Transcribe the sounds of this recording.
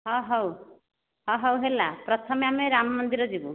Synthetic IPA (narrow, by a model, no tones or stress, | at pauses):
ɦɔ̃ɦɔw | ɦɔ̃ɦʌwɦelapɾɔt̪ʰʌmeameɾamɔmɔnd̪iɾɔd͡ʒibu